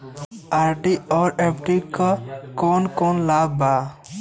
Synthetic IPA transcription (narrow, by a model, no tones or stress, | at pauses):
aːɾʈiɔːɾepʈikakoːnkoːnlaːbbaː